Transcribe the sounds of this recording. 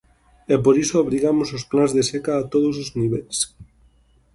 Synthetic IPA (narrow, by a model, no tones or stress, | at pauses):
ɛpoɾisooβɾiɣamososplanzðesɛkaːt̪oð̞osozniβɛls